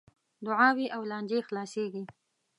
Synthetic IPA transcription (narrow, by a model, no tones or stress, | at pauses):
d̪ʊʕɑwiʔawlɑnd͡ʒexlɑseɡi